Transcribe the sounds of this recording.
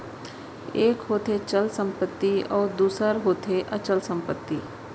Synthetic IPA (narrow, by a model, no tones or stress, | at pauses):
eːkɦoːt̪ʰet͡ʃəlsə̃mpət̪ːiɔːɾd̪uːsəɾɦoːt̪ʰeʔɐt͡ʃəlsə̃mpət̪ːiː